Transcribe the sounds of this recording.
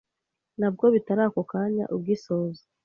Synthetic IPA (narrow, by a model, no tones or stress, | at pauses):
nab̚ɡo̞βitaɾaːkokaɲa̰ʔub̚ɡisoːza